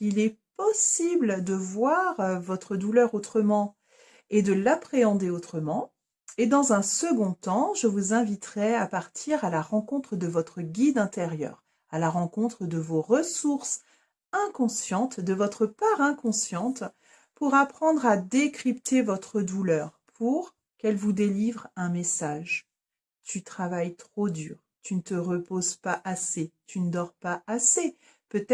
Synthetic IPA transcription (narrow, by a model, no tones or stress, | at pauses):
ilɛpɔsibld̪əvwaʁvɔt̪χəd̪ulœʁot̪χəmɑ̃ | ed̪əlapχeɑ̃d̪eot̪χəmɑ̃ | ed̪ɑ̃zɛ̃səɡɔ̃t̪ɑ̃ʒəvuzɛ̃vit̪χɛapaʁt̪ʰiʁalaʁɑ̃kɔ̃t̪χəd̪əvɔt̪χəɡʲid̪ɛ̃t̪eʁjœ̰ːʁ | alaʁɑ̃kɔ̃t̪χəd̪əvoʁəsuʁs | ɛ̃kɔ̃sjɑ̃t̪d̪əvɔt̪χəpaʁɛ̃kɔ̃sjɑ̃t̪ | puʁapχɑ̃d̪ʁad̪ekχipt̪evɔt̪χəd̪ulœʁpʰuʁ | kɛlvud̪elivʁɛ̃mesaʒ | t̪yt̪χavajt̪χod̪yːʁ | t̪ynət̪əʁəpozpaʔaset̪ynəd̪ɔʁpaʔase | pøt̪ɛ